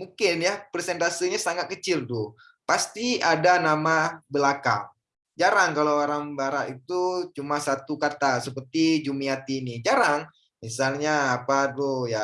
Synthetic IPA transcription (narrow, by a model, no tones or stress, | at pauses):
muŋkɪnjapɾesɛnt̪asiɲasaŋat̪̚kət͡ʃɪldoh | past̪iadanamabəlaka̰ | d͡ʒaɾaŋkalowoɾaŋbaɾat̪it̪ut͡ʃumasat̪ukat̪asəpərt̪id͡ʒumiat̪inid͡ʒaɾaŋ | misalɲaːpadoja